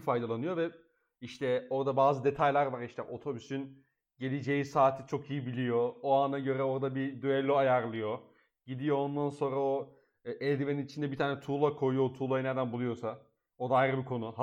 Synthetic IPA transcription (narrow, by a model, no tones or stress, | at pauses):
fajd̪alˠanɯjo̞vɛ | iʃt̪ʰɛo̞ɾd̪abaːzɯd̪e̞t̪ʰajlʲæɾvaɾiʃt̪ʰɛʔo̞t̪ʰo̞bysyn | ɟe̞lʲed͡ʒe̞jisaːt̪ʰit͡ʃʰo̞kijibilʲijo̞oanaɟø̞ɾɛo̞ɾd̪abid̪yɛlʲːoajaɾlˠɯjo̞ | ɟid̪ijo̞ond̪anso̞nɾao̞ | ɛlʲd̪imeinit͡ʃʰind̪ɛbit̪ʰaːnɛt̪ʰuːlˠakʰo̞jujot̪ʰuːlˠajned̪ænbulˠujo̞sa | o̞d̪aːjiɾɯbikʰo̞nʊh